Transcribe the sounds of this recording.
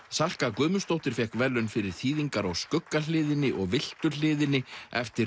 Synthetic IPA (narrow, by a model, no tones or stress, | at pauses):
sal̥kakʏːmʏst̪owht̪ɪɾ̥fjɛhkvɛlːʏnfɪɾɪɾ̥θiːðiŋkaɾɔɣskʏkːal̥ɪːðɪnːɪʔɔɣvɪl̥t̪ʏl̥ɪːðɪnɪɛft̪ɪ